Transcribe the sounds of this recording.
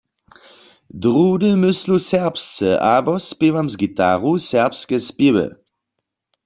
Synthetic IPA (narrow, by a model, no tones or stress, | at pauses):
dʁudəmʏslusɛʁpst͡səʔabɔspɪʋamzɡita̰ʁusɛɐpskɛspjɪwə̰